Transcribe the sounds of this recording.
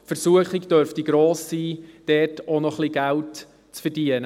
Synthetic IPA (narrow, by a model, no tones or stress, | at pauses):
fəɾsuəχɪɡd̥œɾftiɡɾoːsːiːd̥ɛːtonɔχliɡælt | t͡sfərd̥iənə